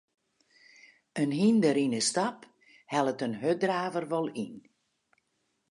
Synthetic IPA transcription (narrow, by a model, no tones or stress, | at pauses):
ənɦindəɾinəstap | hɛlˠətənɦødraːvərʋɔlˠin